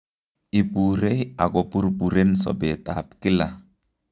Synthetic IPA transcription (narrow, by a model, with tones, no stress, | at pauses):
i˨pu˨ɾe˦ja˨kɔ˨pu˦ɾpu˨ɾe˦nsɔ̰˨be˨taː˨p̚ki˦la̰˨